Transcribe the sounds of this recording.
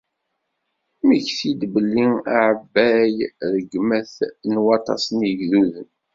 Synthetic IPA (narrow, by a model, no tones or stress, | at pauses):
miçθid̪bəlːiaʕəbːæjɾəɡmæθnwɑt̪ˤɑ̰sənəʝðuðən